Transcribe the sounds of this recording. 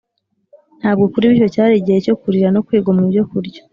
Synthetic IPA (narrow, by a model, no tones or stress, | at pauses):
n̥haːbɡo̞kuɾiβiʃo̞caːɾiɟejeco̞kuɾiɾano̞kwiːɡomuβjo̞kuɾɟo̥